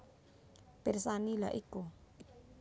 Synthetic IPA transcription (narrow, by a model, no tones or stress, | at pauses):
persanila̰ʔiku